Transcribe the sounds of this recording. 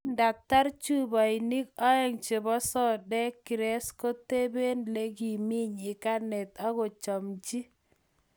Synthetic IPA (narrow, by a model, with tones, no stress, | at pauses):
nda˨t̪a˦ɾt͡ʃu˦ba˨ɪ˨ni˦kɔ˦ɛ˦ŋt͡ʃe˨bɔ˦sɔ˦dɛ˦ki˨ɾɛ˦sko˦te˦be˦nle˦ɡi˨mi˦ɲɪ˨ka˦nɛ˨t̪a˦ɣɔ˨t͡ʃɔ˨mt͡ʃi˦